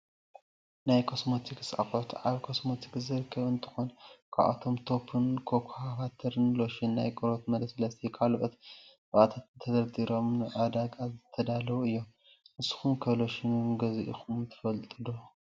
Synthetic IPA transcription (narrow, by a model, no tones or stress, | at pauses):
najkʰosmot̪ʰiksa̰xʼot̪ʔaβkʰosmot̪ʰi̥kzɨɾɨkʰːɐβɨnt̪ʰɨ̥xonkʰaβʔa̰t̪ʰo̞mt̪ʰo̞pʰɨnkʰokʰhafat̪ʰɐɾɨnlo̞ʃinːa̰jkʼɨɾo̞t̪mɐd̪ɐsɐlɐst̪ʰikʰalʔot̪ | ʔat̪ʰat̪t̪ʰɐd̪ɐɾd̪iɾo̞mnɨʕad̪aɡazɨt̪ʰːɐd̪alɐwuɨjːom | ʔɨsu̥xumkʰɐβlo̞ʃinunɡɐziʔixumt̪ʰɨ̥fɐlt̪ʼɨd̪o